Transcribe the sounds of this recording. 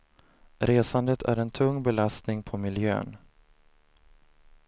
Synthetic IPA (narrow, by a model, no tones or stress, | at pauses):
ɾeːsand̪ət̪ʰæ̰ɾɛnt̪ʰɵŋːbɛlast̪nɪŋpʰɔmɪljø̰ːn